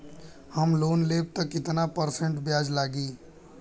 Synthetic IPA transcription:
həmloːnleb̚t̪əkɪt̪napəɾsẽɳʈbjaːd͡ʒlaːɡiː

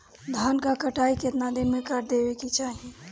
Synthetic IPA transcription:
d̪ʱaːnkakəʈaːiket̪nad̪ɪnmẽkaɾd̪eːbekit͡ʃaːɦie

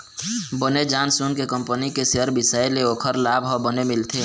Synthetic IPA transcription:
bəned͡ʒaːnsunkekəmpənikeseɦəɾbɪsəeleoːkʰəɾlaːbɦɔbənemɪlt̪ʰeː

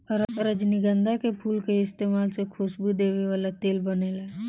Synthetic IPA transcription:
ɾɾəd͡ʒniɡə̃nd̪ʱakepʰuːlkeɪst̪eːmaːlsekʰʊʃbud̪eːʋeʋaːlat̪eːlbɐnelae

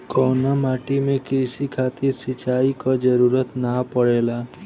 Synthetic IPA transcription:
kɔwnamaʈimẽkesikʰat̪iɾsit͡ʃaikɔd͡ʒəɾuɾət̪napəɽela

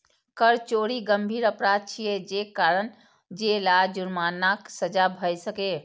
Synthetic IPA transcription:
kəɾt͡ʃoɽiɡəmbʱiːɾəpɾad̪̚t͡ʃʰijed͡ʒekaɾən | d͡ʒelad͡ʒuɾmanaksəd͡ʒabʱəjsəke

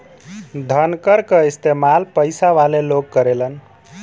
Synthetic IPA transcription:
d̪ʱənkəɾkəist̪emalpəjsaʋaleloɡkəɾelən

